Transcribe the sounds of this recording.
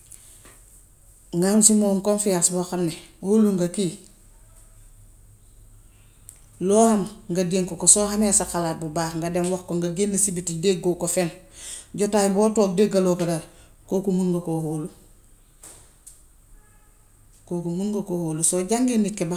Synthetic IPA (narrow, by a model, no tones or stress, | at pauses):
ŋɡansimoːŋkonfijasboxalneholuŋɡakiː | loːhamŋɡadieŋkokosoːhameːsaxalaːt̚bubaːkŋɡadenwoxkoŋɡaɡinːesibitidek̚ɡokofenɟotaːjboːtoːk̚dek̚ɡalokadaɾ | kokumunɡokoholu | kokumunɡokohoːlusoɟaŋɡenikːeba